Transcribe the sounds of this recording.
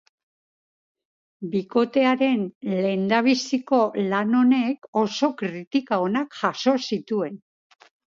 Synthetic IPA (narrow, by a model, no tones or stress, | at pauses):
biko̞t̪e̞aɾe̞nle̞nd̪aβ̞isiko̞lano̞ne̞ko̞so̞kɾit̪ikaonakʝaso̞sit̪ue̞n